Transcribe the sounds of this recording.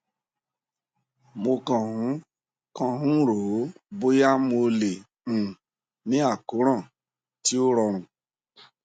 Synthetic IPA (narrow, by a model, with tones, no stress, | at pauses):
mo˧kɔ̃˨ɦũ˨˦ | kɔ̃˦ɦũ˦ɾoː˨˦bo˦ja˦mo˧lẽ˨ | nĩ˦a˦˨ko˨˦ɾ̃ã˦˨ | ti˦o˦ɾɔ˧ɾ̃ũ˨